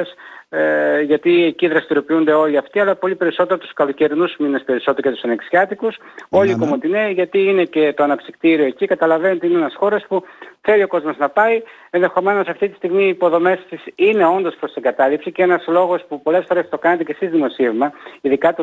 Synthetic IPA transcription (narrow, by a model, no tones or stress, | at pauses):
s | ʝɐt̪ieciðɾɐst̪iɾo̞piund̪e̞o̞liɐft̪iɐlɐpo̞lipe̞ɾiso̞t̪e̞ɾot̪u̥skɐlo̞ce̞ɾinuzminespe̞ɾiso̞t̪eɾocet̪u̥sɐneksiɐt̪ikuso̞likomot̪ineʝɐt̪iine̞ce̞t̪o̞ɐnɐpsikt̪iɾio̞ecikɐt̪ɐlɐve̞not̪eineenɐsxo̞ɾe̞spuθe̞lio̞ko̞zmo̞znɐpɐi | enðe̞xo̞me̞no̞sɐft̪it̪i̥st̪iɣmiːpo̞ðo̞me̞st̪isine̞o̞nd̪o̞spɾo̞st̪iŋɡɐt̪ɐlipsiceenɐzlo̞ɣo̞spupo̞le̞sfo̞ɾe̞st̪o̞kɐnɐt̪e̞cesizðimo̞sivmɐiðikɐt̪u